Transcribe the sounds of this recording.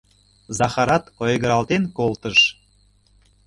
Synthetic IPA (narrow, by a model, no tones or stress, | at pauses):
zɑxɑɾɑt̪ojɣəɾɑlt̪enkolˠt̪əʃ